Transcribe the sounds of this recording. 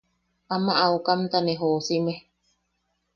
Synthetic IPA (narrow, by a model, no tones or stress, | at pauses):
ʔamaʔaukamt̪aneɦosime